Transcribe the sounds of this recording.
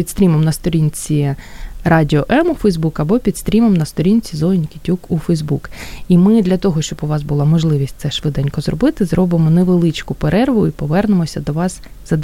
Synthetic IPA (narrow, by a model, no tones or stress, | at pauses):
pʲit̪st̪ʲɾʲimemnɐst̪ɔɾʲinʲt͡sʲirɑdʲɪɔʔɛmufɛjzbukɐbɔpʲit̪st̪ɾʲimemnɐst̪ɔɾʲinʲt͡sʲizɔɪnʲkʲitʲukufɛjzbukimɪd̪lʲɐt̪ɔɦɔʃt͡ʃɔbʊʋɑzbʊlˠɑmɔʒlˠɪʋʲisʲt̚ʲt̪sɛʃʋɪd̪anʲkɔzɾɔ̰bɪt̪ɪzɾɔbɪmɔneʋelˠɪt͡ʃkʊpeɾɛrʋʊipɔʋɛrnemɔsʲɐd̪ɔʋɑs | z̥ɐd̪